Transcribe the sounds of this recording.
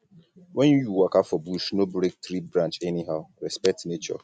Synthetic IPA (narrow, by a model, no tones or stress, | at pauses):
wɛ̃nujuwakapfɔbuʃnobɾek̚tɾibɾãnt͡ʃɛniɦaʊɾɛspɛk̚tnet͡ʃɔ̰